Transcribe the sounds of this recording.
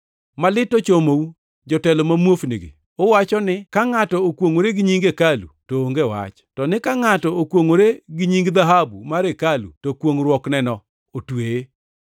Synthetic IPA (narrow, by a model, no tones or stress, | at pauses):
malɪtːot͡ʃomou | d͡ʒɔtɛlɔmamwofniɡɪ̰ | owat͡ʃɔnɪkaŋatɔokwoŋoɾeɡɪɲiŋɡekalṵtoːŋɡewa̰t͡ʃtɔnɪkaŋatɔokwoŋoɾeɡɪɲiŋɡd̪aɦabumaɾekalṵtokwoŋɾwɔknɛnɔ | otweje